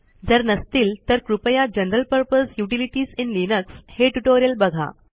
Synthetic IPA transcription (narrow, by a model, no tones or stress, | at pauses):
d͡zəɾnəst̪iːlt̪əɾkɾupəjad͡ʑənɾəlpəɾpəsjuʈiliʈiːsinlinəksheʈuʈoɾijəlbəɡʱa̰